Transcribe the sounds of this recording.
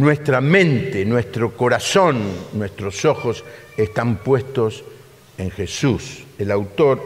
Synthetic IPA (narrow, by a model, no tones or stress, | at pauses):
nwest̪ɾamẽnt̪enwest̪ɾoko̞ɾasõnːwest̪ɾoso̞xosest̪ampwe̞st̪os | eŋxesuselawt̪o̞ɾ